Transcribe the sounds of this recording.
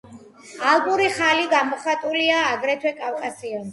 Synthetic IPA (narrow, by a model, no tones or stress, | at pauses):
alˠbuɾiχaliɡamɔχat̪ʼuliaːɡɾɛt̪ʰwɛkʼafkʼasiɔn